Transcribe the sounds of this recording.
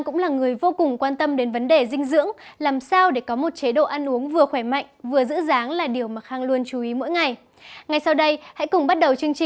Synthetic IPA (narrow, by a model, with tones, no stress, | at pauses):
ŋkʊ̰˧˥ŋ͡mlaː˨˩ŋɨ˨˩əjvo˧kʊ˨˩ŋ͡mkwaː˧nt̪ə˧mɗe˨˦nvə˨˦nɗe˨˩zï˧ŋ̟zɨ̰˧˥əŋlaː˨˩msaː˧wɗe˧˩kɔ˨˦mo˨˩t̚t͡ɕe˨˦ɗo̰˧˨ʔa˧nʔu˨˦əŋvɨ˨˩əxwɛ˧˩ma̰˧˨jŋ̟vɨ˨˩əzɨ̰˧˥zaː˨˦ŋlaː˨˩ɗi˨˩əwmaː˨˩xaː˧ŋlu˧ənt͡ɕu˨˦ʔi˨˦mo̰˧˥jŋa˨˩j | ŋa˨˩jsa˧wɗə˧jha̰˧˥jkʊ˨˩ŋ͡mɓa˦˥t̚ɗə˨˩wt͡ɕɨ˧əŋt͡ɕi˨